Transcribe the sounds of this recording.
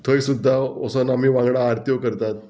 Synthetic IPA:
t̪ʰəjsud̪ʱːaosənam̤iːʋãŋɡɽaːɾt̪jokəɾt̪at̪̚

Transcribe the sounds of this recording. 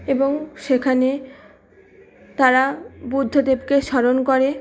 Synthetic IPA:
eboŋʃekʰane | t̪aɾabud̪ʱːod̪ebkeʃɔɾonkoɾe

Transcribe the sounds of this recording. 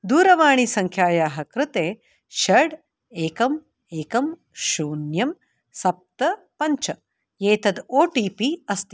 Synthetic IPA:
d̪uːɾɐʋaːɳisɐŋkʰjaːjaːɦɐkɾɨt̪eː | ʃɐɽ | eːkɐm | eːkɐm | ʃoːnjɐm | sɐp̚t̪ɐ | pɐɲt͡ʃɐ | jeːt̪ɐd̪oːʈiːpiɐst̪i

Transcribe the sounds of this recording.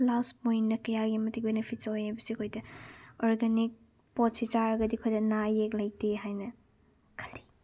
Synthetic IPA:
lasmojnːɐkɐjaɡimɐtik̚benepʰitsajajbɐsikʰojdɐɔɾɡanik̚ | pɔtsit͡ʃaɾɐɡɐdikʰojdɐnajek̚lɐjteɦajnɐ | kʰɐldi̥

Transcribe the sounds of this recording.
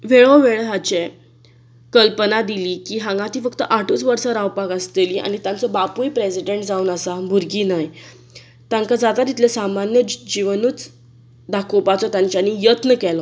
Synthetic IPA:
ʋeɭɔʋeɭɦat͡ɕe | kəlpənad̪iliːkiːɦãŋɡãt̪iːfəkt̪əʔaʈuːt͡sʋəɾsaɾawpakəst̪eliʔa̰ñit̪jãnt͡sɔbapujpɾesiɖeɳʈd͡zauːnəsabʱuɾɡiːnaj | t̪jãŋkad͡zat̪at̪it̪ʰlesamanjəd͡ʑiʋənuːt͡s | d̪akʰopat͡sɔt̪jãɲt͡ɕjanijət̪nəkɛlɔ

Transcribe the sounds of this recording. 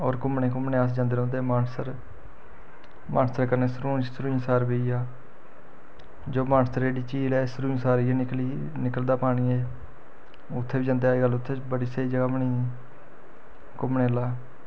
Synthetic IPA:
ɔːɾkʊmɳẽːkʊmɳeːaːsd͡ʒãːnd̪eːɾ̃ːnd̪eːmaːnsəɾ | mʔã̰ːnst̪əɾkəɾneːsɾuːsɾuːisaːɾbeːiːaː | d͡ʒoːmãːnsəɾeːɽiːt͡ʃiːlɛːsɾuːsaːɾɪei | nɪkəld̪aːpaːɽ̃iːɛː | ʊt̪ʰːeːiːd͡ʒãːnd̪eaːiːɡəlːʊt̪ʰːeːbəɽiːseiːd͡ʒəɡaːbəɳiː | kʊmɳeːlaː

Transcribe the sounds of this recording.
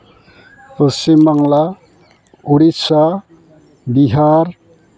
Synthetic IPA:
pəsimaŋla | uɾisa | biɦaɾ

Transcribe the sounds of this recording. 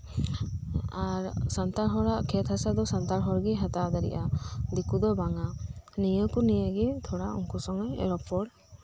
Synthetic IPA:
aɾsant̪aɾɦɔɾaʔkʰɛt̪hasad̪ɔsant̪aɾɦɔɾɡɛɦat̪ad̪aɾḭʔad̪ikud̪ɔbaŋanijəkunijəɡɛt̪ʰɔɽaʔṵŋkusɔŋɔɛ̰ɾɔpɔɽ

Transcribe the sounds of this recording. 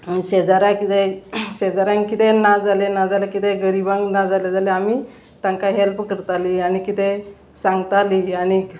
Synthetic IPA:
ɕed͡zaɾãkit̪eɕed͡zaɾãŋkkːit̪enad͡zalenad͡zalekit̪eɡəɾibãŋɡnad͡zaljad͡zaleamiː | t̪ãŋkaɦelpkəɾt̪aliañikit̪e | sãŋɡt̪aliaɽi

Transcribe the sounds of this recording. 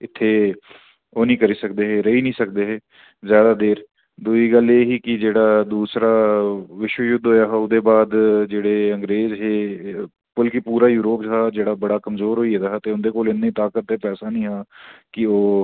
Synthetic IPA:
ɪt̪ʰːeː | oːnĩːkəɾiːsəkd̪eːɦeːɾəɦiːnĩːsək̚d̪eːɦeː | zjaːd̪aːd̪eːɾ | d̪uiːɡəleːɦiːkɪd͡ʒeːɽaːd̪uːsɾaːʋɪʃwəjʊd̪ʱɦoːjaːɦːʊd̪eːbaːd̪d͡ʒeːɽeːə̃ŋɡɾeːzɦeː | pəlkipuːɾaːjuːɾoːpɦaːd͡ʒeːɽaːbəɽaːkəmzoːɾɦoːiːeːd̪aːɦɛt̪eːʊnd̪eːkoːlɪnːiːt̪aːkət̪ːeːpɛːsaːnĩːɦaːkɪoː

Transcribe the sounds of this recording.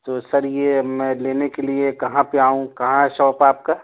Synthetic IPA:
t̪oːsɐɾjemɛ̃ːleːnekeliekɐɦãpeaːɦũkɐɦãɦɛʃɔːpaːp̚kaː

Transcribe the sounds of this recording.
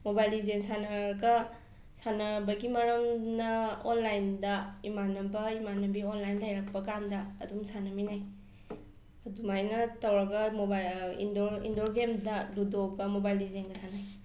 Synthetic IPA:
mobajlizensanɐɾɡɐ | sanɐbɐɡimɐɾɐmnɐonlajndɐimanɐbɐimanɐbionlajnlajɾak̚pɐkandɐ̰ːdumsanɐminaj | ɐdumajnɐtɐwɾɐɡɐmobaḭndoḭndoɾɡemdɐdudoɡɐmobajlizenɡɐsanaj

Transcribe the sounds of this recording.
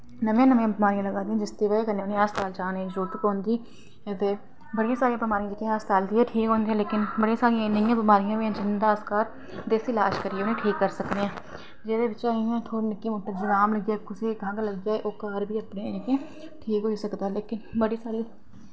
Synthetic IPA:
nəmjãːnəmãbɪmaːɾijãːlɐɡaːd̪iɦɛ̃d͡ʒɪst̪eːʋekɐnẽʊːnẽaːst̪aːlt͡ʃaːnẽd͡ʒuːt̪kɦoːnd̪iː | ɛt̪eː | bəɽijãːsaːɾijãbimaːɾijãd͡ʒɪt̪ĩaːst̪aːld̪iɛ̃ʈʰiːkɦõːnd̪iɦɛ̃leːkɪnbəɽijãːsaːɾijãnəjãːbɪmaːɾijãːmẽɛ̃ːd͡ʒɪnd̪aːskaːɾ | d̪eːsilaːʃkəɾieonẽʈʰiːkːəɾsəkd̪eɛ̃ː | d͡ʒɛːdebɪt͡ʃaːiɛ̃ːt̪ʰoːɾnɪkːĩmoːʈːəɾd͡ʒɪɾaːmlɐɡjaːkʊsekɐɦãːkalɐɡjaːɛʔoːkaːɾbʱiːɐpneɛ̃nikẽ | ʈʰiːkɦoːisɐkd̪aːɛleːkɪnbəɽisaːɾi

